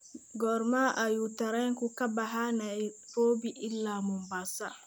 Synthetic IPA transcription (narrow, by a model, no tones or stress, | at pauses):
ɡɔɾmaʔajutaɾɛŋkukabaɦanaɾoːbiʔilːamɔmbasa